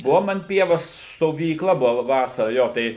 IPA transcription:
ˈbʊʋoːm ɐn ˈpʲiɛʋoːs stoːʋʲiːˈklˠɐ ˈbʊʋɐ ˈʋɑːsɐrɐ ˈjoː tɐɪ

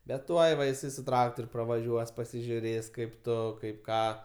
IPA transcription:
bʲɛt ˈtuɔj ʋɐ ɪˈsɐɪ sʊ ˈtrɑːktoːrʲ prɐʋɐˈʒʲuɔs pɐsʲɪʒʲʊˈrʲeːs kɐɪp ˈtʊ kɐɪp ˈkɑː

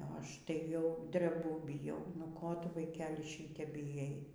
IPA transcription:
oː ˈɐʃ tɐɪ jɛʊ dʲrʲɛˈbʊ bʲɪˈjɛʊ nʊ ˈkoː ˈtʊ ʋɐɪˈkʲæːlʲɪ ˈʃʲiːtʲɛp bʲɪˈjɛɪ

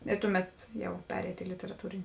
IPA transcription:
ɪ ˈtʊˌmʲɛt jɛʊ ˈpʲæːrʲɛɪtoː ɪ lʲɪtʲɛrɐˈtuːrʲɪnʲɪ

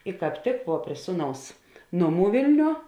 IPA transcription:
ɪ kɑːp ˈtʲɪk ʋuɔ pʲrʲiɛ ˈsuːˌnɐʊs ˈnoːˌmuː ˈʋʲeːlʲnʲuɔ

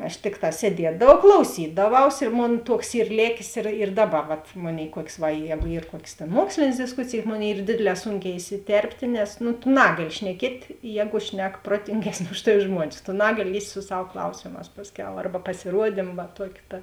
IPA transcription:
ɐʃ ˈtʲɪkˌtɑː sʲiɛˈdʲiɛdɐʋɐʊ klˠɐʊˈsʲiːdɐˌʋɐʊs ɪr ˈmoːn ˈtuɔks ˈiːr ˈlʲeːkʲeːs ɪr ɪr ˈdɑːˌbɐ ˈʋɐt ˈmoːˌnʲeːɪ ˈkuɔkʲsʲ ˈʋɐ ˈjæːɡʊ ˈiːr ˈkuɔkʲeːs tʲeːn ˈmuɔksʲlʲeːnʲeːs dʲɪsˈkʊsʲeːjeːs ˈmoːˌnʲeːɪ ˈiːr ˈdʲeːdʲeːˌlʲɛː ˈsuːŋʲˌkʲɛː ɪsʲɪˈtʲɛrʲpʲtʲeː nʲɛs nʊ tʊ ˈnɑːɡɐˌlʲɪ ʃʲnʲɛˈkʲiɛtʲ ˈjɛːɡʊ ˈʃʲnʲɛk ˈproːtʲɪŋʲɡʲɛsʲˌnʲeː ˈʊʃ tɐˌʋʲɪ ˈʒmuɔnʲɪs tʊ ˈnɑːɡɐˌlʲɪ ˈlʲiːsʲtʲ sʊ ˈsɐw ˈklˠɐʊsʲeːmɑːs ˈpɑːsʲˌkʲɛʊ ˈɐrbɐ pɐsʲɪˈruɔdʲɪm ʋɐ ˈtuɔkʲɪ ˈtɐ

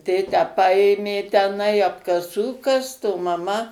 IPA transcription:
ˈtʲeːtʲæː ˈpɐeːmʲeː tʲɛˈnɐɪ ɐpkɐˈsuː ˈkɐst oː mɐˈmɐ

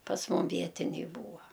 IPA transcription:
pɐs ˈmʊm ˈʋʲiɛtʲɪnʲɛɪ ˈbuːɐ

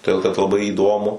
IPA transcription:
toːˈdʲeːlˠ kɐt lˠɐˈbɐɪ iːˈdoːmʊ

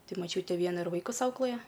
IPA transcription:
ˈtɐɪ mɐˈt͡ʃʲuːtʲɛ ˈʋʲiɛnɐ ɪr ˈʋɐɪkʊs ˈɐʊklˠɘjɛ

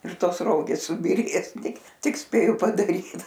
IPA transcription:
ɪr ˈtoːs ˈroːɡʲeːs sʊbʲiːˈrʲeːs ˈtʲɪk ˈtʲɪk ˈsʲpʲeːjʊ pɐdɐˈrʲiːt

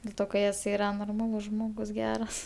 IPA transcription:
dʲɛlˠ ˈtoː kɐ jɛs ˈiːrɐ noːrˈmɑːlˠʊs ˈʒmoːɡʊs ˈɡʲæːrɐs

